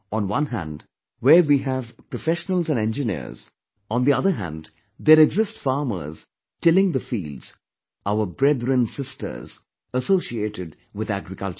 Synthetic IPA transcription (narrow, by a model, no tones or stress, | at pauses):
ɔ̃nwʌ̃nɦæ̰̃nd | weɾwiːɦævpɾofɛʃənəl̩ˠzæ̃nɛ̃nd͡ʒɨnḭɾz̥ | ɔ̃nd̪iʌðəɦæ̰̃nɖ | d̪eɾɛɡzɪsʈfɑːmə̰z̥ | ʈɪlɪ̃ŋd̪əfḭːldz̥ | aʊəbɾɛd̪ɾə̃nsɪstə̰˞z | əsoːsieʈɪɖ | wɪðæɡɾɪkʌ̰lt͡ʃ